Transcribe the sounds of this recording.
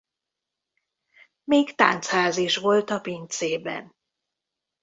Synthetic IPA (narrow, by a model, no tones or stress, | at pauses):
meːkt̪a̰ːnt̪shaːziʃʋo̞lt̪ɒpint̪seːbɛ̰n